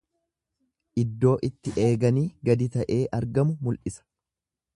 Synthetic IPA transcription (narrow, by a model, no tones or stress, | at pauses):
ʔɪd̪ːo̞ːʔɪt̪ːɪʔe̞ːɡɐniːɡɐd̪ɪt̪ɐʔe̞ːʔɐɾɡɐmʊmʊlʔɪsɐ̥